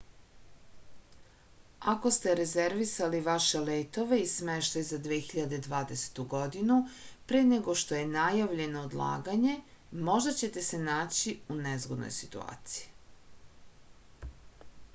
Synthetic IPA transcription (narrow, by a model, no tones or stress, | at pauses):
ako̞st̪e̞ɾezeɾʋisaliʋaʃe̞leːt̪o̞ʋe̞ismeʃt̪ajuzad̪ʋeːxiʎad̪ed̪ʋaːd̪ese̥t̪uɡo̞d̪inupɾeːneɡo̞ʃt̪o̞je̞najaʋʎe̞noːd̪lˠa̰ːɡaɲe̞mo̞ʒd̪at͡ɕe̞t̪e̞se̞naːt͡ɕiunezɡod̪no̰jsit̪ṵa̰ːt̪si̥ji